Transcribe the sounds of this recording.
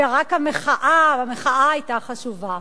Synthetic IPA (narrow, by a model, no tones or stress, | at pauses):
aʁakhameχaʔavameχaaajtaχaʃuva